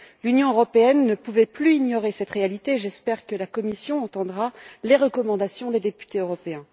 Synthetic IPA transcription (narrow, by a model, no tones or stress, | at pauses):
lynjɔ̃øʁɔpeɛnːəpuvɛplyiɲjɔʁesɛt̪ʁealit̪eʒɛspɛʁkəlakɔmisjɔ̃ɑ̃t̪ɑ̃d̪ʁaleʁəkɔmɑ̃d̪asjɔ̃d̪ed̪epy̥t̪eøʁɔpeɛ̃